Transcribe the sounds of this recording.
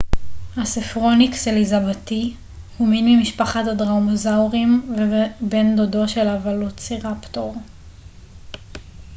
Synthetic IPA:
hasifʁo̞nikselizabati | huminmimiʃpaχatadʁamozawʁimvebendodo̞ʃelavalot͡siʁaptoʁ

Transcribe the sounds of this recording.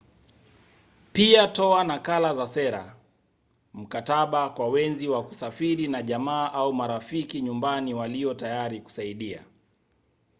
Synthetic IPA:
piatɔanakalazasɛɾa̰ | m̩kataɓakwawɛnziwaku̥safiɾinaʄamaːʔaumaɾafikiɲumbaniwaliɔtajaɾiku̥saiɗia̰

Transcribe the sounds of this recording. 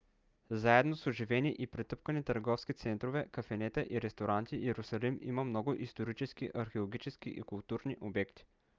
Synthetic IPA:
zaɛd̪nosoʒivɛniʔipɾɛt̪ɤp̚kənit̪əɾɡɔfskit̪sɛnt̪ɾovɛkɐfɛnɛt̪ɛʔiɾɛst̪oɾant̪iɛɾʊsɐlimḭməmnɔɡʊʔist̪oɾit͡ʃɛskiʔɐɾxeolˠoɡʲit͡ʃɛskḭʔikʊlˠt̪uɾniʔobɛkt̪i̥

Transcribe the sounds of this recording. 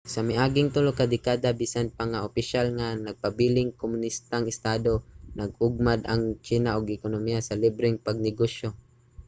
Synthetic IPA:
samɪʔaːɡɪŋt̪ʊlokad̪ɪkad̪abiːsanpaŋaʔopɪʃalŋanɐɡ̚pabiːlɪŋkomʊnist̪aŋɪst̪ad̪onaɡʊɡ̚mad̪aŋt͡ʃinaʔoɡɪkonomijasalibɾɪŋpaɡ̚nɪɡoʃo

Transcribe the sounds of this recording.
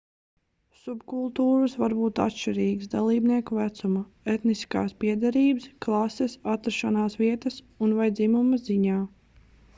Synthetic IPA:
subkulˠt̪uːɾusvaɾbuːt̪a̰t̪ʃt͡ʃiɾiːɡsd̪alˠiːbniɛkuvæt̪suma | et̪niska̰ːspiɛd̪ɛɾiːbɨsklˠɑsɛsat̪ːɾʃanaːsʋiɛt̪ɐs | unvajd̪zimumɐzziɲaː

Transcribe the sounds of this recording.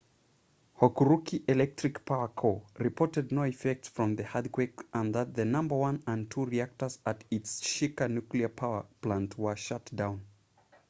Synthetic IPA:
hɔkuɹukiʔɪlɛk̚tʰɹɨkpʰaʊə˞kʰoɹɨpʰɔɹtɨdⁿnoʊɨfɛk̚tsfɹʌ̃mðɨhad̚kʰwekʔə̃nðət̪̚ðɨnʌ̃mbə˞wʌ̃nə̃ntʰuɹiæk̚tə˞zətɪtsʃikənukliə˞pʰaʊə˞pl̥ãntʰwə˞ʃʌtd̥ãʊ̃n

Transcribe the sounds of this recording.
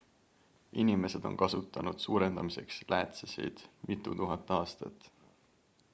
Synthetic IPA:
inime̞se̞d̪̥o̞̰nkɑsut̪ːˑɑnud̪̥suːɾe̞nd̪ɑmise̞̰kslʔæːt̪sesḭjd̪̥mit̪ːˑut̪uɦɑt̪ːˑɑːst̪ɑ̰t̪ːˑ

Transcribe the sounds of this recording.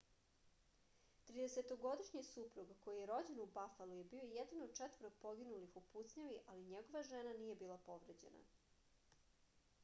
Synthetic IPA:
t̪ɾiːd̪e̞set̪o̞ɡo̞d̪iʃɲisupɾuɡko̞jijeɾo̞d͡ʑe̞nubafalˠuje̞bio̞jed̪anod̪t͡ʂɛt̪ʋəɾoɡ̚po̞ɡinulixuput̪sɲaʋiʔaliɲeɡo̞ʋaʒenanije̞biːlˠapo̞ʋɾed͡ʑe̞̰na̰

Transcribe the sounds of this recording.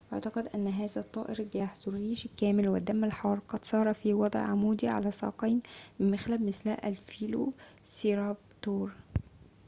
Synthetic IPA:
ʔaʕt̪ɑqɑd̪ʔænːɦæːzæt̪ˤːɑ̰ːʔeɾɡæːħzoɾiːʃkæːmɪlwɪd̪ːæmːælħɑːɾˤqɑd̪̥sˤɑːɾˤɑfiwɑd̪ˤʕʕamuːd̪iʕa̰læsˤɑ̰ːqɑjnmɪmmɪxlæbmɪslæʔælfkiːlo̰ | siːɾɑbt̪oːɾˤ

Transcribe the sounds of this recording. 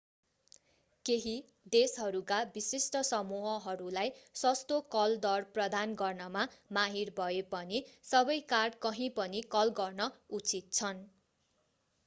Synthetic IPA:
keɦi | d̪esɦʌɾukabisisʈʌsʌmuɦʌɦʌɾulajsʌst̪okʌld̪ʌrprʌd̪anɡʌrnʌmamaɦirbʱʌepʌnisʌbʌjkarɖkʌɦĩpʌnikʌlɡʌrnʌut͡sit̪̚t͡sʰʌn

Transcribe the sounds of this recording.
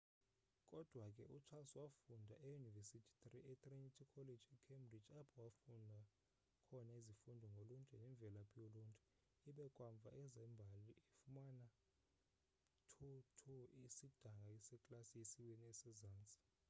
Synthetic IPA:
kʼɔd̥ʱwakʼɛʔut͡ʃʰasɔwafundʱaʔejunivesitʰi̥tʼriʔɛt̪ʼrinitʰikʰɔled͡ʒɛkʰembrid͡ʒapʰɔwafundʱa | kʰɔnaizifundʱɔŋɡʱolunt͡ʃʼɛnɛɱvʱɛlapʰʼioluntʼu̥ | iɓɛkʼwaɱvʱa̰ʔɛzɛmbʱaliefumana | tʰutʰuisid̥ʱaŋɡʱajisɛkʼlasijesiweniɛsɛzaːnt͡sʼi̥

